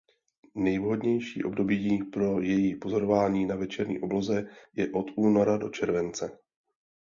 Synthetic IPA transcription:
nɛjvɦo̞dɲɛjʃḭːʔo̞bdo̞bipɾo̞jɛjipo̞zo̞ɾovaːɲiːnavɛt͡ʃɛɾɲḭːʔoblo̞zɛjɛʔo̞t̪uːno̞ɾado̞̰t͡ʃɛɾvɛnt͡sɛ

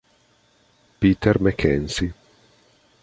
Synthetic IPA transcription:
piːt̪ermekʰɛnsi

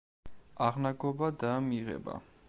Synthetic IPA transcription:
aʁnaɡɔbad̪amiʁɛ̰ba̰

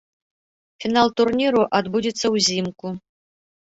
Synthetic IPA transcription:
fʲinalˠt̪urnʲiɾuʔad̪budʲit̪sɐwzʲimkʷʊ

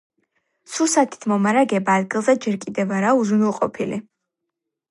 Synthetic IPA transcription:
susat̪ʰi̥t̪ʰmɔmaɾaɡɛbaːd̪̚ɡilˠzɛd͡ʒɛɾkʼid̪ɛvaɾauzunilˠqʼɔ̰pʰili

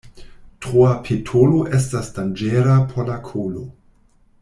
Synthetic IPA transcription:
tʁuapʰetʰoloʔes̬tasd̥and͡ʒeɾapʰoɾlakʰolo

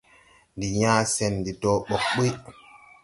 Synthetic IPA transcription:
ndiɲaːsɛnːdidɔːɓɔkɓi

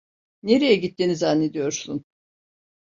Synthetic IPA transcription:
ne̞ɾijɛɟit̪ːinizanːe̞d̪ijo̞ɾsun

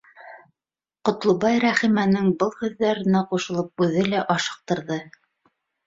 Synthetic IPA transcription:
qŏt̪lˠɤβɑjɾæχimænɘŋbɤlˠhʉðːæɾɘ̆næquʃɤ̆lˠɤp̚ʉðɘlæʔɑʃɤ̥̆q̚t̪ɤ̆ɾðɤ

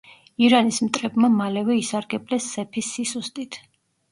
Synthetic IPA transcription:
iɾanismt̪ʼɾɛbmamalɛvɛisaɾɡɛblɛsːɛpʰisisust̪ʼit̪ʰ

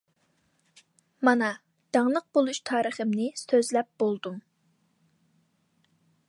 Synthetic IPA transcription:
mɑnɑ | d̪̥ɑŋlˠəq̚bolˠuʃt̪ʰɑːɾəχəmnɪsøzlɛp̚b̥olˠd̪um

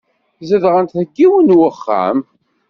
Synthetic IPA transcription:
zəðʁənt̪θəkːiwənwəχːa̰m

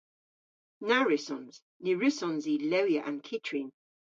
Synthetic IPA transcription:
naɹɪsɔ̃nz̥ | nɪɹɪsɔ̃nzilɛwjəʔə̃nkʰɪtʰɹin

